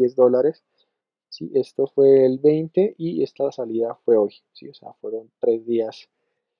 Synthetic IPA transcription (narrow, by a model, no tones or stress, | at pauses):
ezd̪o̞laɾe̞s | siʔe̞st̪o̞fwe̞ːlbe̞jnt̪e̞ʔie̞st̪asaliðafwe̞o̞j | sḭose̞̰a̰fwe̞ɾo̞nt̪ɾe̞zd̪ias